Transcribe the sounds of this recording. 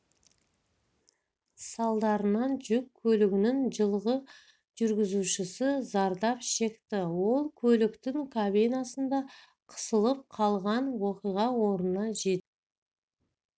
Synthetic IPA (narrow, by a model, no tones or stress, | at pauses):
sɑlˠd̪ɑɾənɑnʒʏkʲʰːɵlɪɡʲɪnɪŋʒəlˠʁə | ʒ̥ʏɾɡʲɪzuʃɪsɪzɑɾd̪ɑpʃe̞kt̪ɪwo̞lˠkʲʰɵlɪkt̪ɪŋkʰabejnɑsənd̪ɑ | qʰə̥səlˠəp̚qʰɑlˠʁɑnwo̞qijʁɑwo̞ɾnnɑʒe̞t̪